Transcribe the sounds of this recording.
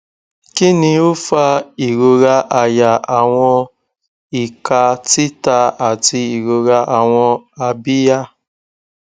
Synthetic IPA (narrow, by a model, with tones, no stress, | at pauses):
ki˦nĩ˦o˦fa˦i˨ɾo˨ɾa˧ʔa˨ja˨a˨w̃ɔ̃˧ | i˨ka˧ti˦ta˧a˨ti˧i˨ɾo˨ɾa˧ʔa˨w̃ɔ̃˧a˨bi˦ja˦